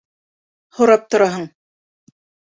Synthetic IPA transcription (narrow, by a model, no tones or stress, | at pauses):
hoɾɑp̚t̪ŏɾɑɦɤɴ